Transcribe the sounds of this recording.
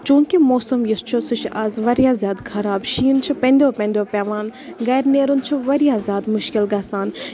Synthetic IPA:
t͡ʃũːŋkimoːsɐmjist͡ʃʰosɨt͡ʃʰʔaːzʋɐɾijaːzʲjaːd̪kʰɐɾaːbʃiːnt͡ʃʰipɐ̃nd̪ʲjoːpɐ̃nʲd̪ʲjoːpʲaːʋaːnɡɐjɾneːɾunt͡ʃʰiʋɐɾjaːzʲjaːd̪mʊʃkɪlɡaːsaːn

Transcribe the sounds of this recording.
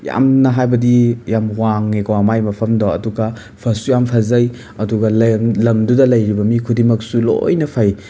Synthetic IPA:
ja̰mnɐɦajbɐdijamwaŋːekawamajmɐpʰɐmdoɐ̰duɡɐ | pʰɐsujampʰazɐj | ɐduɡɐllɐmdudɐlɐjɾibɐmikʰudimɐksulo̰jnɐpʰaj

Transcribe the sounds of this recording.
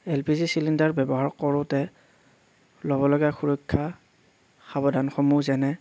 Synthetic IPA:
ɛlpizisilindaɹbɛbɔɦaɹkɔɹʊtɛ | lɔbɔlɔɡɛxuɹɔjkʰːa | xabɔdanxɔmuzɛnɛ

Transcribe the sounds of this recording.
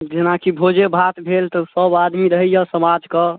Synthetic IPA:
d͡ʒenakibʱod͡ʒebʱat̪bʱelt̪ɔsəbad̪miɾəɦəjasəmad͡ʒkə

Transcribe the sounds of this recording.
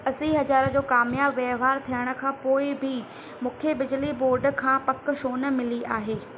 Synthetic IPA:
ɐsiɦɐzaːɾəd͡ʑoːkaːmjaːbʋeʋaːɾt̪ʰijəɽ̃ʊ̆kʰãːpoːɪbɪ | mʊ̃ːkʰebɪd͡ʑliboːɾɖkʰãːpɐk̆ʃoːnə̆mɪliaːɦeː

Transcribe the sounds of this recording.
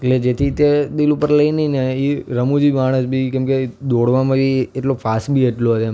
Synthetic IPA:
eʈled͡ʒet̪ʰit̪ed̪ilupəɾləinəineiɾəmũd͡ʒimaɽ̃əsbʱikɛ̃mked̪oɽʋamãʋieʈlofʰasʈbʱieʈlot̪e

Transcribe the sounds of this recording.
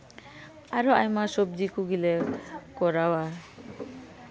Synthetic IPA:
aɾɔajmasɔb̚d͡ʒikuɡilekɔɾawa

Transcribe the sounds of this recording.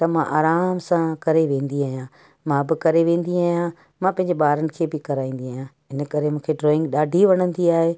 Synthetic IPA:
t̪ɐmãʔaːɾaːmsãkɐɾeʋẽːnd̪iaːɦijã | mãbɪkɐɾeʋẽːn̆d̪iaːɦijã | mãpɐ̃ɦɪ̃ɲ̆d͡ʑeɓaːɾənɪ̆kʰeːbɪkɐɾaːĩːn̆d̪iaːɦjã | ɪnə̆kɐɾemũːkʰeɖɾɔːɪ̃ŋɡɗaːɖʱiʋɐɽ̃ə̃nd̪iaːɦeː

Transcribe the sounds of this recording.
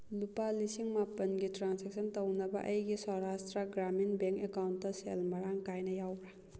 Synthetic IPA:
lupalisiŋmapːɐnɡitɾansek̚sʰəntɐwnɐbɐ̰ʔɐjɡisɔɾastɾɐɡɾaminbeŋkekawnttɐselmɐɾaŋkajnɐjawɾa

